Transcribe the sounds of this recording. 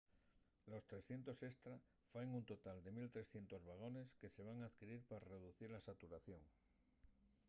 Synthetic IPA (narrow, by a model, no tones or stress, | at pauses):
lo̞st̪ɾe̞sθje̞nt̪o̞se̞st̪ɾa | faeŋunt̪o̞t̪ald̪e̞milt̪ɾe̞sθje̞nt̪o̞zβaɣ̞o̞ne̞ske̞se̞β̞aŋaðkiɾiɾpaare̞ð̞uθiɾlasat̪uɾaθjo̞ŋ